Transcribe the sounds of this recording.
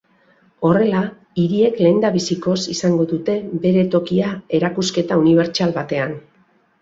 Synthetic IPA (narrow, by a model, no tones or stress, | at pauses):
o̞re̞la | iɾie̞kle̞ːnd̪aβisiko̞sisaŋɡo̞ðut̪e̞be̞ɾe̞t̪o̞kiae̞ɾakuske̞t̪auniβ̞e̞ɾt͡ʃalβat̪e̞an